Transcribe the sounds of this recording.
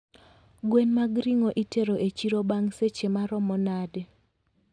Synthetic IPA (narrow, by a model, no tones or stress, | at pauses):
ɡwenmaɡɾiŋoʔiteɾoʔet͡ʃiɾobaŋset͡ʃemaɾɔmɔnade